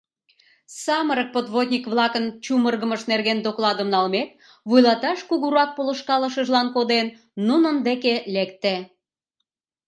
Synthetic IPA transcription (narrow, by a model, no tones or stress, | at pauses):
sɑməɾək̚pot̪βod̪ʲnʲikβlɑkənt͡ɕumərɣəməʃnerɣend̪oklɑd̪əmnɑlmek̚ | βujlɑt̪ɑʃkuɣuɾɑk̚poləʃkɑləʃəʒlɑnkod̪enː | unənd̪ekelekt̪e